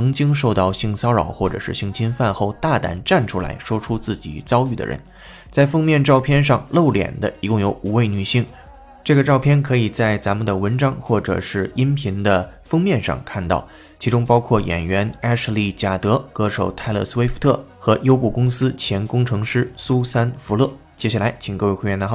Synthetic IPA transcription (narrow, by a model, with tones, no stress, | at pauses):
ɤ˧˥ŋt͡ɕi˥ŋʂ̬o˥˧ʊt̪ɑ˥˧ʊɕi˥˩ŋsɑ˥ʊɻɑ˨˩ʊxwɔ˥˩ʈ͡ʂɤ̰˨˩ʂɻ̩˥˧ɕi˥˩ŋt͡ɕʰi˥nfa˥˧nxo˥˧ʊt̪a˥˩t̪a̰˨˩nʈ͡ʂa˥˩nʈ͡ʂʰu˥la̰˧˥ɪʂwɔ˥ʈ͡ʂʰu˥t͡sɹ̩˥˩t͡ɕḭ˨˩t͡sɑ˥ʊy˥˩d̪ə̰˩ɻʔə̰˧˥n | t͡sa˥˩ɪfɤ˥ŋmjɛ˥˧nʈ͡ʂɑ˥˧ʊpʰjɛ˥˧nʂ̬ɑ˥˧ŋlo˥˩ʊljɛ̰˨˩nd̪ə˦i˧˥kʊ˥˩ŋjo˧˥ʊu˨˩we˥˩ɪny˨˩ɕi˥˩ŋ | ʈ͡ʂɤ˥˩ɡə˩ʈ͡ʂɑ˥˧ʊpʰjɛ˥˩nkʰɤ˧˥i˨˩t͡sa˥˩ɪt͡sa˧˥nmə˨nd̪ə˩wə˧˥nʈ͡ʂɑ˥ŋxwɔ˥˩ʈ͡ʂɤ̰˨˩ʂɻ̩˥˧i˥npʰi˧˥ŋd̪ə˧ | fɤ˥ŋmjɛ˥˧nʂɑ̰˥˧ŋkʰa˥˧nt̪ɑ̰˥˩ʊ | t͡ɕʰi˧˥ʈ͡ʂʊ˥ŋpɑ˥ʊkʰwɔ˥˩jɛ̰˨˩nɥɛ˧˥na˥ʂli˥˩t͡ɕja˨˩t̪ɤ˧˥kɤ˧˥ʂo˨˩ʊt̪ʰa˥˧ɪlɤ̰˥˩swe˥ɪft̪ʰɤ˥˩xɤ˧˥jo˥ʊpu˥˩kʊ˥ŋsɹ̩˥t͡ɕʰjɛ˧˥nkʊ˥ŋʈ͡ʂʰɤ˧˥ŋʂɻ̩˥su˥sa˥nfu˧˥lɤ˥˩ | t͡ɕjɛ˥ɕja˥˩la˧˥ɪt͡ɕʰi˨˩ŋkɤ˥˧we˥˧xwɥɛ˥˩n˧˥˩